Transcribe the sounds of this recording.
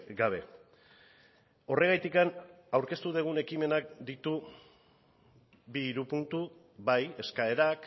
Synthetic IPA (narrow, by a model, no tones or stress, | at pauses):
ɡaβ̞e̞ | o̞re̞ɣajt̪ikan | awɾke̞st̪uðeɣ̞une̞kime̞nak̚d̪it̪u | biːɾupunt̪u | βaje̞skae̞ɾak